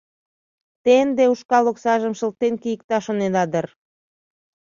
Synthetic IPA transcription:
t̪end̪euʃkɑloksɑʒəmʃəlt̪enkijək̚t̪ɑʃoned̪ɑd̪ər

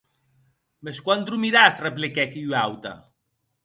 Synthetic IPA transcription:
meskwand̪ɾumiɾasreplekɛkiwawt̪a̰

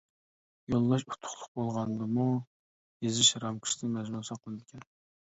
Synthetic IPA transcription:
jolˠːɑʃu̥t̪ʰːʊ̥χlˠʊqbolˠʁɑnd̪ɨmu | jezɪʃɾɑmkʰu̥ʃt̪ɨnmɛʒmusɑqʰːəlˠɨd̪ɪkʲʰɛn

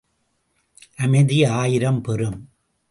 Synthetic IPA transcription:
ʔɐmɐɪðɪjɐaːjɪɾɐmpɛɾɯm

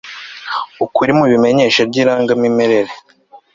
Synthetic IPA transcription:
ukuɾimuβime̞ɲe̞ːʃabɟiːɾaːŋɡamimeɾe̞ɾe

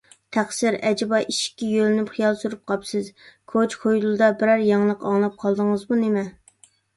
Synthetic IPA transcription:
t̪ʰæχsɪɾɛd͡ʒɪbɑʔiʃi̥kʲːɛjølɪnypχijɑlˠsuɾup̚qʰɑpsɪzkʰot͡ʃχʰojlˠɨd̪ɑbɪɾæɾjɑŋlˠəqɑŋlˠɑp̚qʰɑlˠd̪əŋəzmunemɛ

